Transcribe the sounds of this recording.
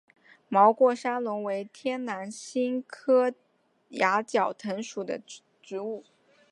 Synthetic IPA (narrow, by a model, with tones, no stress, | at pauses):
mɑ˧˥ʊkwɔ˥˩ʂa˥nlʊ˧˥ŋwe˧˥ɪt̪ʰjɛ˥nna˧˥nɕi˥nkʰɤ˥ | ja˧˥t͡ɕjɑ˨˩ʊt̪ʰə˧˥ŋʂu˨˩d̪ə̰˦ | ʈ͡ʂɻ̩˧˥u˥˩